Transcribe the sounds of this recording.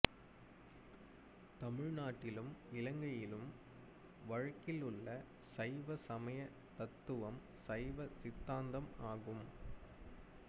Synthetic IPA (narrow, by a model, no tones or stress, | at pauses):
t̪ɐmɪɻnaːʈːɪlɯmɪlɐŋɡɐjɪlɯm | ʋɐɻɐkːɪlɯɭːɐ | sɐɪʋɐsɐmɐjɐ | t̪ɐt̪ːɯʋɐm | sɐɪʋɐsɪt̪ːaːnd̪ɐmaːɣɯm